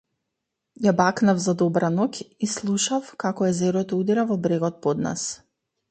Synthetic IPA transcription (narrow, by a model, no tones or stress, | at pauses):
jabaknavzad̪ɔbɾanɔkislˠuʃafkakɔɛzɛɾɔt̪ɔud̪ɛɾavɔbɾɛɡɔt̪̚pɔd̪na̰s